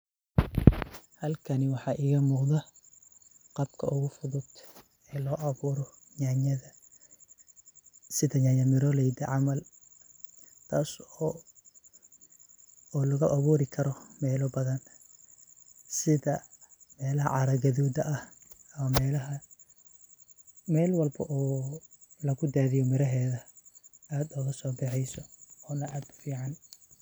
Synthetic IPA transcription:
hɐlkʰɐnɪwɑħɑːʔiːɣɐmuːqðɐ | qɑb̚kʰɐ̰ʔʊɣʊfʊðʊd̪ | ɛːlɔːʔɐuːɾɔ | ɲaɲɐðɐ | sɪðɐɲɐɲɐmɪɾɔlɛjd̪ɐʕɑmɐl | t̪ʰaːs | ɔːlɐɣɐʔɐβuːɾɪkʰɐɾɔmɛːlɔbɐðɐn | sɪðɐmɛːlɐɦɐ̰ʕɑɾɐɡɐðuːd̪ɐʔɐhɐmɐmɛːlɐɦɐ | mɛːlwɑlbɐ̰ʔɔː | lɐɣʊd̪aːðɪjɔmɪɾɐɦɛːðɐʔaːd̪ʊɣɐsɔːbɛħɛjsɔɔːnɐʔaːd̪ʊ̥fiːʕɑn

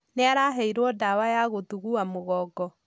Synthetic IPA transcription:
neaɾaɦɛiɾwɔdawajaɣotuɣuamoɣɔɡɔ

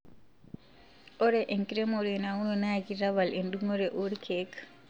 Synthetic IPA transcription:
ʔɔɾɛʔɛnkiɾɛmoɾɛnawunɔnakiɾabalɛnɗuŋɔɾɛʔoɾikʰɛkḁ

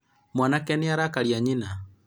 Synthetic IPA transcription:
mwanakɛniaɾakaɾjaɲina

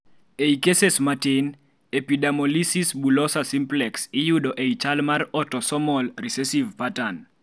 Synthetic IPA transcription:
eikesesmaten | epidamɔlisisbulɔsasimplɛksɪjuɗɔʔejt͡ʃalmarɔtɔsɔmɔlrisɛsivpatan

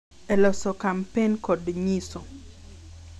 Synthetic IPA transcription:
ɛlɔsɔkampenkɔdɲisɔ

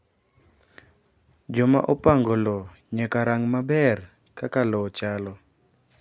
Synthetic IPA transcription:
d͡ʒɔmaʔopaŋɡɔlɔ | ɲɛkaɾaŋmabɛr | kakalɔt͡ʃalɔ

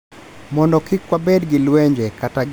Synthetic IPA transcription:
mɔndɔkikwabɛdɡilwɛɲd͡ʒɛkataɡ

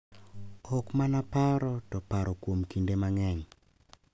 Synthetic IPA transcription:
ɔkmanapaɾɔtɔpaɾɔkwomkindemaŋɛɲ

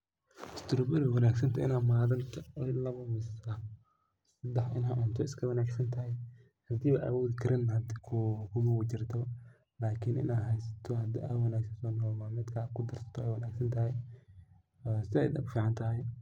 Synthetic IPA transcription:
ɪst̪ʰʊɾbʊɾɪwɐnaːɡsɐnt̪ʰɔɪ̰naːmaːðɐnt̪ʰɐɔnlɐβɐmɪsɐ | ssɐd̪ɛħɪnɦɐʔʊnt̪ʰɔɪskʰɐwɐnaːɡsɐnt̪ʰɐɦɛj | hɐd̪iːβɐʔa̰wɔːðɪkʰɐɾɪnhɐd̪ikʰʊkʰʊmɐwʊt͡ʃɪrt̪ʰɔ | laːkʰɪnʔɪ̰naːɦɛjsɐ̥t̪ʰɔhɐd̪ḭawɑnaːɡsɐnsɔːnɔːmamɪd̪kʰaːkʰʊd̪ɐrsɐ̥t̪ʰɔɛjwɐnaːɡsɐnt̪ʰɐɦɛj | ɔsɪɛjd̪ɐbfiːʕɑnt̪ʰɐɦɛj

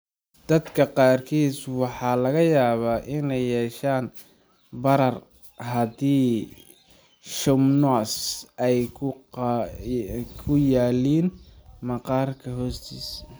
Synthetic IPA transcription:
d̪̥ɐd̪kʰɐqɑːrkʰiːswɑħɑːlɐɣɐjaːβaːʔɪnɛjːɛːʃaːn | bɐɾɐr | ɦɐdiː | ʃʊmnɔsɛjʰ | kʰʊjaːliːnmɐqɑːrkʰɐɦɔːst̪ʰḭːs

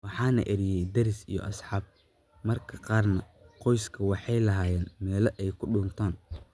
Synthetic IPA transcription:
wɑħɑːnɐ̰ʔɛɾɪjɛjd̪ɐɾɪsḭjɔ̰ʔɐsħɑːb̚ | mɐrkʰɐqɑːrnɐ | qɔjskʰɐwɑħɑjlɐɦaːjɛːnmɛːlɐʔɛjkʰʊɖʊnt̪ʰaːn

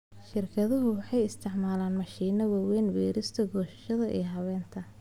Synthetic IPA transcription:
ʃɪrkʰɐðɐɦʊwɑħɑjɪst̪ʰɪʕmaːlaːnmɐʃiːnɐwɑːwɛːnwɛːɾɪst̪ʰɐɡɔːʃɐ̥ʃɐðɐʔḭːɦɐβɛːnt̪ʰɐ

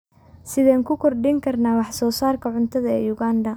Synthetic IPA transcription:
sɪðɛːŋkʰʊkʰɔrɖɪŋkʰɐrnaːwɑħsɔːsaːrkʰɐʕʊnt̪ʰɐðɐɛːjʊɣaːndɐ

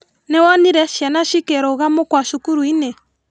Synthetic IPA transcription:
nɛwɔniɾɛʃjanaʃikɛɾoɣamokwaʃukuɾuinɛ

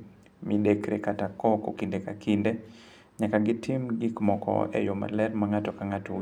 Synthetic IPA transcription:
midɛkɾɛkatakɔkokindekakʰinde | ɲakaɡɪtʰimɡikmɔkɔ̰ɛ̰joma̰lɛɾmaŋatɔkaŋato

